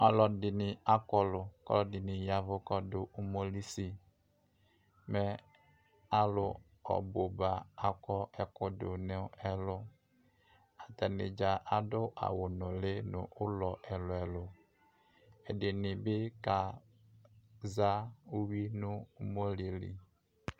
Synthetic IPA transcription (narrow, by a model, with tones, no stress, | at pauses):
a˨lɔ˨dɪ˨nɪ˨a˦kɔ˨lʊ˨kɔ̰˦lɔ˦dɪ˨nɪ˨ja˨vʊ˦kɔ˦dʊ˨u˦mo˦li˦si˦ | mɛ˦ | a˨lʊ˨ | ɔ̰˨bo˨ba˨a˨kɔ˦ʔɛ˨kʊ˦dʊ˨nɪ˦ɛ˦lʊ˦ | a˨tɛ˨nɪ̰˨d͡ʒa˨ʔa˨dʊ˦ʔa̰˨wʊ˨nʊ˨lɪ˦nʊ̰˨ʔʊ˦lɔ˨ʔɛ˨lʊ˨ɛ˨lʊ˨ | ɛ˨dɪ˨nɪ˨bɪ˦ka˨ | za˦u˦wi˦nʊ˦mo˦li˨lḭ˨